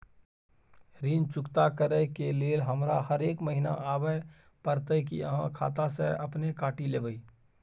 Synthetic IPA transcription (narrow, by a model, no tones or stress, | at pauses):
ɾiːnt͡ʃʊkt̪akəɾəkeleːlɦəmɾahəɾeːkməɦɪna̰ʔaːbə | pəɾt̪ək̬ḭəɦãkʰa̰ːt̪aseɐpnekaːʈileːbəiː